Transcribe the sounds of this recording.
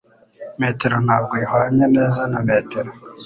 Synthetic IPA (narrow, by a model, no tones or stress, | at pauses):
meːteɾonaɡehwaːɲaneːzanameːteɾo